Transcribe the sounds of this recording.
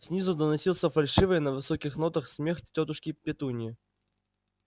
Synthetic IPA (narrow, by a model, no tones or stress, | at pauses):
fsʲnʲizʊd̪ənɐsʲilˠsʲəfɐlʲʂɨvəjnəvɨsokʲɪxno̞t̪əxsʲmʲextʲːot̪ʊʂkʲɪpʲɪt̪unʲɪɪ